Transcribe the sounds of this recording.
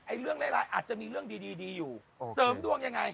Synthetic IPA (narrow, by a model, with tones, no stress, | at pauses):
ʔa˧˩jlɨ˧˥˩əŋla̰˧˥la̰ː˧˨jʔaː˨˩t̚t͡ɕa˧˦mi˧˩lɨ˦˧˩əŋɗi˧ɗi˧ɗi˧zu˨˩ | səː˨˦mɗu˧əŋɲa˧˦ŋa˧j